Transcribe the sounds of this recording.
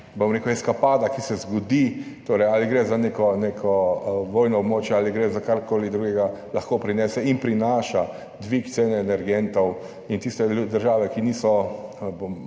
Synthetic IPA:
bomɾeːkʊɛskapaːd̪akisɛzɡɔd̪i | t̪oːɾɛjaliɡɾɛzaneːkɔnekʰɔʋɔːjnɔɔbmoːt͡ʃjɛaːliɡɾɛzakaɾkoːlid̪ɾuɡɛɡalɐxkopɾinɛːsɛinpɾinaːʃa | d̪ʋikt̪seːnɛːnɛɾɡɛnt̪ɔw | int̪ist̪ɛd̪əɾʒaːʋɛkiniːsɔbom

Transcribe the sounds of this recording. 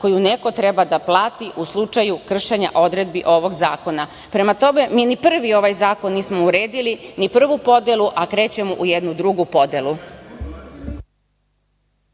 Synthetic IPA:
ko̞juneko̞t̪ɾebad̪aplˠaːt̪iʔuslˠut͡ʂajukr̩ʃeɲa̰ʔo̞d̪ɾe̞d̪̚biʔo̞ʋo̞ɡzaːko̞na | pɾe̞mat̪o̞me̞miːnipr̩ʋio̞ʋajzaːko̞nːiːsmouɾeːd̪ilinipr̩ʋupo̞d̪elˠuʔakɾe̞ːt͡ɕe̞moʔujed̪nud̪ɾuɡupo̞d̪elu

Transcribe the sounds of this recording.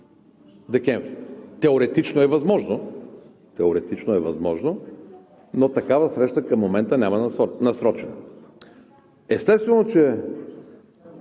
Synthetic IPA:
d̪ɛk̟ɛɱvɾit̪ɛoɾɛt̪it͡ʃnoɛvɐzmɔʒno | t̪ɛoɾɛt̪it͡ʃnoɛvɐzmɔʒno | not̪ɐkavəsɾɛʃt̪əkɐmːomɛnt̪ənʲamɐnɐsɾɔt͡ʃɛnɐ̰ | ɛst̪ɛst̪vɛnot͡ʃɛ

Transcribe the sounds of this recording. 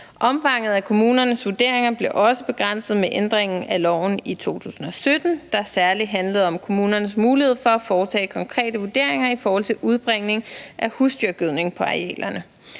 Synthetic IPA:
ʔɒ̽mfɑ̈ŋ̰ð̞̩ˠækʰo̝muːnɐnəsʋuɐd̥e̝ɐ̰e̝ŋɐb̥le̝ʔɒ̽səb̥e̝ɡ̥ʁan̰səð̞̩ˠmeʔend̥ʁeŋn̩ælɒʊn̩it͡sʰo̝̰ːt͡sʰṵːsn̩ɒ̽sød̥n̩d̥ɑ̈ɐsæɐliɦænləð̞̩ˠɒ̽mkʰo̝muːnɐnəsmuːlihe̝ð̰ˠfɒ̽æfɒːt͡sʰɛ̰ːkʰɒ̽ŋkʰʁɛ̰ːdəʋuɐd̥e̝ɐ̰e̝ŋɐifɒːhɒ̽lt͡sʰe̝lʔuð̞ˠb̥ʁeŋ̰ne̝ŋʔæhusd̥jyɐɡ̥yðˠne̝ŋpʰɒ̽ɑ̈ɛ̰ːlɐnə

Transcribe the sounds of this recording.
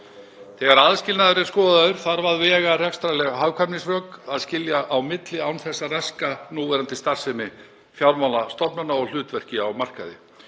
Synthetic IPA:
θɛːɣaɾaðscɪlnaðʏɾɛskɔːððaðʏɾ̥θaɾvaðvɛːɣarɛkst̪ɾalɛɣɦawkʰamnisvœːkaðscɪljaʔawmɪt̪lɪawnθɛsːaraskanuːvɛɾant̪ɪst̪ar̥sɛmɪ | fjawɾmawnast̪ɔpnanaɔɣl̥ʏːt̪vɛr̥cɪawmar̥ka̰ðɪ̰

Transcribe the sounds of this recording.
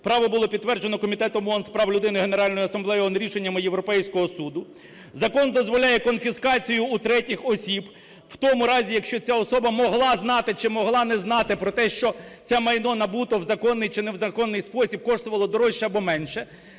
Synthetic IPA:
pɾɑʋɔbʊlˠɔpʲid̪ːʋɛrd͡ʒenɔkɔmʲit̪ɛt̪ɔmɔnspɾɑwlʲʊd̪ɪnɪɦe̞neɾɑlʲnɔjʊɐsɐmblˠɛjɔnɾʲiʃenʲːɐmɪjeʋɾɔpɛjsʲkɔɦɔsud̪ʊ | zɐkɔnd̪ɔzʋɔlʲajɛkɔnfʲiskɑt͡sʲijʊːt̪ɾɛtʲɪxɔsʲib | w̥t̪ɔmʊɾɑzʲijɐkʃt͡ʃɔt͡sʲaɔsɔbɐmɔɦlˠɑznɑt̪ɪt͡ʃɪmɔɦlˠɑnɛznɑt̪ɪpɾɔt̪ɛʃt͡ʃɔt͡s̪ʲɛmɐjnɔnɐbut̪ɔwzɐkɔnːɪjt͡ʃɪnɛwzɐkɔnːɪjspɔsʲib̚kɔʃt̪ʊʋɐlˠɔd̪ɔɾɔʃːɛɐbɔmɛnʃɛ

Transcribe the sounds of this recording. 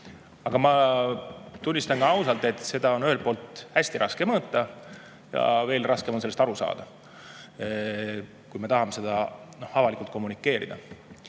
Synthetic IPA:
ɑɡ̥ɑmɑ | t̪unʲːist̪ɑŋkɑɑwsɑlt̪ˑe̞t̪ːˑse̞d̪̥ɑo̞nyhelpo̞ːlt̪hæsʲt̪iɾʔɑske̞mɤt̪ːɑ | jɑ̰ve̞ːlrʔɑske̞moselːest̪ɑɾusɑ̰ːd̪̥ɑ | kujmɑt̪ɑhɑmese̞d̪ɑno̞hɑvɑlikult̪̚ko̞mːunikˑːe̞ːɾḭd̪̥ɑ

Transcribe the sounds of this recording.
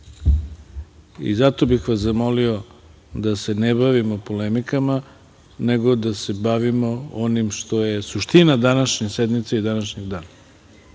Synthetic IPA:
ḭzat̪o̞bixʋaszamo̞lio̞ | d̪ase̞nebaʋimo̞polemikama | ne̞ɡo̞d̪ase̞baʋimo̞onimʃt̪o̞je̞suʃt̪inad̪anaʃɲesed̪mit̪seid̪anaʃɲeɡd̪aːna

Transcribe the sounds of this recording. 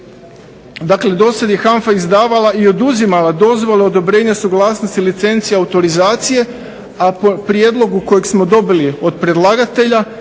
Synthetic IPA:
d̪akle̞d̪o̞sad̪jexaɱfaizd̪aːʋalaio̞d̪uzimalad̪o̞zʋo̞leo̞d̪o̞bɾe̞ːɲasuɡlaːsnost̪ilit̪se̞nt̪siaut̪o̞ɾizaːt̪sije̞ | apopɾje̞ːd̪lˠo̞ɡuko̞jeɡsmo̞d̪o̞bilio̞d̪̚pɾed̪lˠaːɡat̪e̞ʎa

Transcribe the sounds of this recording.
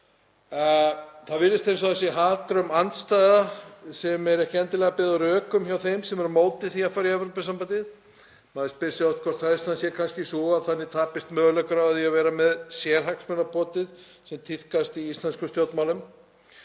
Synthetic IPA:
θaðvɪlːɪst̪ejns̬ɔðθɛsːɪɦaːt̪ɾʏmant̪st̪aːjðasɛmɛɾɛhcɪɛnt̪ɪlɛɣapɛːðʏɾœːkʏmçawθejmsɛmɛɾmoːwt̪ɪθiafaɾiɛvɾowpɪsampant̪ɪð | maːðɪspɪsɪɔft̪kʰɔɾt̪θaðɪsansjɛkʰanscɪsɔaðθanːɪt̪ʰaːpɪst̪mœːɣlœkʏɾaaðiavɛːɾamɛðsjɛɾ̥ɦaknsmœnapɔːt̪ɪð | sɛmt̪ʰɪθkast̪iist̪lanskʏmst̪jowt̪mawlʏm

